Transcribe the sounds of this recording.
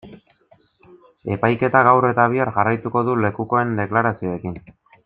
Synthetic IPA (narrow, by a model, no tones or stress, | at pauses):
e̞pajke̞t̪aɣawre̞t̪aβ̞iaɾʝarajt̪uko̞ðule̞kuko̞e̞nd̪e̞klaɾasio̞e̞kin